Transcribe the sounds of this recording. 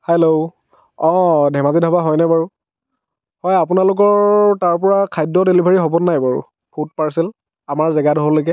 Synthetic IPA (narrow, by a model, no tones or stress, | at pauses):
hɛlo | ɔ̃dʱɛmazidʱabaɦɔjnɛbaɹu | hɔjapʊnalʊk̬ɔɹtaɹp̬ɔɹakʰajdɔdelibʱaɹiɦobɔnːajbaɹṵ | pʰut̚paɹsil | amaɹzɛɡadɦɔlokɛ